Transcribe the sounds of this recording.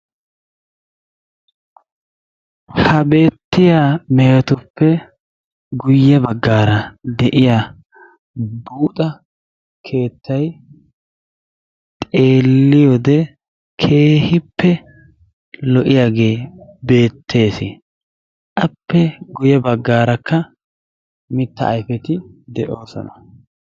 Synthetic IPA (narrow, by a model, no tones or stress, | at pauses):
hɐbe̞ːt̪ːɪjaːmɛjɐt̪ʊpːɛ | ɡʊjːɛbɐɡːaːɾɐd̪ɛʔɪja | buːt̪ʼɐ | kʰe̞ːt̪ʰːɐj | t̪ʼe̞ːlːɪjod̪ɛ | kʰe̞ːhɪpːɛ | lɔʔɪjaːɡe̞ːbe̞ːt̪ʰːe̞ːsɪ | ʔɐpːɛɡʊjɛbɐɡːaːɾɐkːɐ | mɪt̪ːɐ̰ːjfɛt̪ɪd̪ɛʔo̞ːsɔ̰nɐ